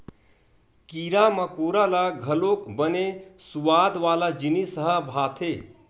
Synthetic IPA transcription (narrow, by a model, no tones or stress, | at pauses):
kiɾaməkoɾalaɡʱəlokbənesuʋad̪ʋalad͡ʒinisəɦəbʱaːt̪ʰe